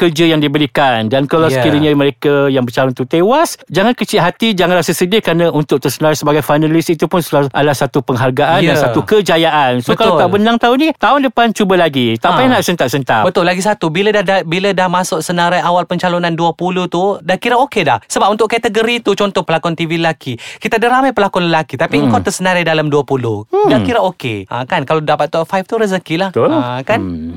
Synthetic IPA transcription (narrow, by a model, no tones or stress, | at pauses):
kərd͡ʒəjaŋdibəɾikandankalasəkiɾiɲaməɾekajaŋbərt͡ʃalʊnt̪ut̪ewasd͡ʒaŋankət͡ʃiʔɦat̪id͡ʒaŋanrasasədɪkɾanãʔunt̪ʊk̚t̪əsənaɾajsəbaɡajfajnalisit̪upʊnsəlaʔa̰dalasat̪upəŋɦarɡaʔandanssat̪ukəd͡ʒajaʔansokalat̪aʔbənaŋt̪aʊnĩt̪aʊndəpant͡ʃubəlaɡit̪apajnaʔsənt̪aʔsənt̪abət̪ʊlaɡis̬at̪ubilədahdabilədahmãsʊʔsənaɾajawalpəɲt͡ʃalonanduəpuluht̪udahkiɾaokeda̰hsəbap̚unt̪ʊʔkat̪əɡəɾit̪ut͡ʃɔnt̪ɔhpəlakɔnt̪iviləlakʰikit̪adəɾamajpəlakɔnləlakit̪apiəŋkawt̪əsənaɾajdalamduapulʊhdakiɾaʔokḛʔãkankaladapat̪̚ːɔʔfajft̪uɾəzəkilaht̪olkan